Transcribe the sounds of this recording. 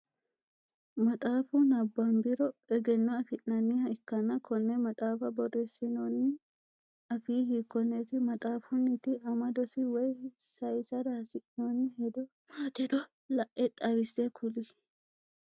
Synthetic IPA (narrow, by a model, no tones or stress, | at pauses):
mɐt̪ʼaːfunɐbːɐmbɪɾɔɛɡɛnːɐɐfɪʔnɐnːihɐɪkːɐnɐkʰɔnːɛmɐt̪ʼaːfɐbɔrɛsɪnoːnːɪ | ɐfiːhiːkːɔnːɛt̪ɪmɐt̪ʼaːfʊnɪt̪ɪɐmɐd̪ɔsɪwɛjsɐjsɐd̪aːsɪʔnonːɪhɛd̪ɔ | mat̪ɛd̪ɔ | lɐʔɛt̪ʼɐbɪsːɛkʰʊlɪ